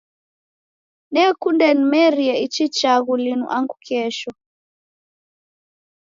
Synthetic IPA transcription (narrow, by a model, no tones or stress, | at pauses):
nɛkundɛnimɛɾiɛit͡ʃit͡ʃaɣulinṵʔaŋɡukɛʃɔ